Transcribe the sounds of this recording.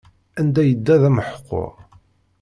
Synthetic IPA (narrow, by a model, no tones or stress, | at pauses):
ænd̪æjəd̪ːæðæməħə̥qːo̰ʁ